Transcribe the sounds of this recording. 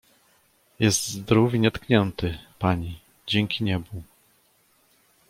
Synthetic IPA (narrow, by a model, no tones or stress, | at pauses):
jɛst̪zd̪ɾuviɲɛt̪kɲɛnt̪ɘpaɲi | d͡ʑɛŋkʲiɲɛbu